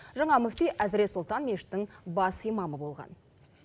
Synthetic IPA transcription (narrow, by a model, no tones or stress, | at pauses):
ʒɑɴɑmɵft̪ijʔæzɾe̞t̪sʊlˠt̪ɑnmʲeʃɪ̥t̪ːɪŋbɑsijmɑməbo̞lˠʁɑ̰n